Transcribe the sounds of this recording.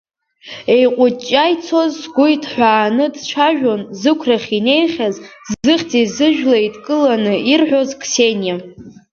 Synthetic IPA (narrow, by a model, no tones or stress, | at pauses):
e̞jqʷʼʊt͡ʃʼːajt͡sʰo̞zɡʷʊjtʰħʷaːnɨdt͡ʃʷʰaʒᶣonzɨkʷʰraχʲine̞jχʲazzzɨχʲt͡sizɨʒᶣlajidkʼɨlanɨirħʷᶣozkʰʼse̞nja